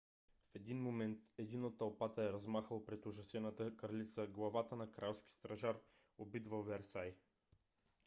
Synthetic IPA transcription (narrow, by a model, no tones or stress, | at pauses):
fɛd̪inmomɛnt̪ɛd̪inot̪ːɐlˠpat̪əɛɾɐzmaxəlˠpɾɛt̪uʒɐsɛnət̪əkɐɾlit̪səɡlˠɐvat̪ənɐkɾalˠskʲi̥st̪ɾɐʒaɾ | obid̪vəvɛɾsaj